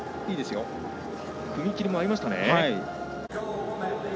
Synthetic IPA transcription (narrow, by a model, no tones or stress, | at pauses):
iːd̪e̞sɨjo̞ | kɯ̟mʲikʲiɾʲimo̞aɾʲimaɕi̥t̪ane̞̰ai